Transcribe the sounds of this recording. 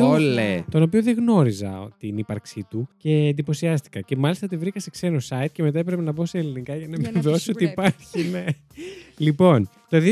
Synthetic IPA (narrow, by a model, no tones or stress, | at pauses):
olet̪o̞no̞pio̞ðeɣno̞ɾizɐ̰ot̪inipɐɾksit̪uce̞ːnd̪ipo̞siɐst̪i̥kɐce̞mɐlist̪ɐt̪ivɾikɐse̞kse̞nosɐit̪̚ce̞me̞t̪ɐepɾe̞penɐbo̞seːlinikɐʝɐnɐvveveo̞siso̞t̪iːpɐɾçine | lipo̞nt̪oði